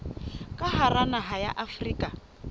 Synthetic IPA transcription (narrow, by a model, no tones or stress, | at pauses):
kʼaharanaɦaja̰ʔafriːkʼa